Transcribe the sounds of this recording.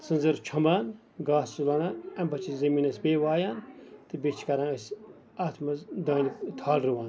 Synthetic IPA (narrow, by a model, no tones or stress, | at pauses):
sɨnzɐɾt͡ʃʰɐmaːn | ɡaːsulananɐmbɐt͡ʃʰizɐmiːnɐsbeːʋaːjaːnt̪ɨbet͡ʃʰkɐɾãːɐsʲ | ɐt̪ʰmɐzd̪ɐːnikt̪ʰaːlɾɨʋaːn